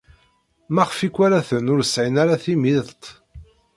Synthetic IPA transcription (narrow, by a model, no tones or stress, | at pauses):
mæʁfikʷːaɾaθənʊɾəsʕinaɾaθimiðˤt̪ˤ